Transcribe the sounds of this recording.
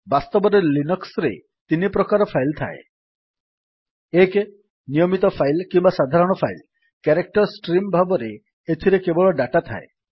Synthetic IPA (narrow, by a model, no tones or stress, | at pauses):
bast̪ɔbɔɾelinɔksɾḛ | t̪inipɾɔkaɾɔpʰajlt̪ʰa̰ḛ | eke | nijomit̪ɔpʰajlkimbasad̪ʱaɾɔɽ̃ɔpʰajl | kaɾek̚ʈɔɾsʈɾimbʱabɔɾe | et̪ʰiɾekebɔɭɔɖaʈat̪ʰa̰e